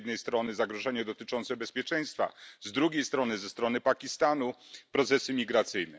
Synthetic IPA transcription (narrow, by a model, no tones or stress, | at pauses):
d̪̚nɛjst̪ɾɔnɘzaɡɾɔʐɛɲɛd̪ɔt̪ɘt͡ʂɔnt̪sɛbɛspʲjɛt͡ʂɛj̃st̪fa̰zd̪ɾuɡʲejst̪ɾɔnɘzɛst̪ɾɔnɘpakʲist̪anupɾɔt̪sɛsɘmʲiɡɾat̪sɘjnɛ